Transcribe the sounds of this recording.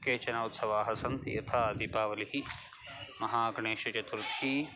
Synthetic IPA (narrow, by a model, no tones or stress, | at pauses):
keːt͡ʃɐnaːut̪sɐʋaːɦɐsɐnt̪jɐt̪ʰaːɐd̪ipaːʋɐliɦi | mɐɦaːɐɡɳeːʃɐt͡ʃɐt̪uɾt̪ʰi